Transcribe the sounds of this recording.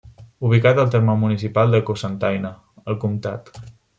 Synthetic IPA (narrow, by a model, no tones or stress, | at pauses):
uβ̞ikat̪əlˠt̪eɾmamunisipalˠd̪əkosant̪ajnə | əlˠkumt̪at̪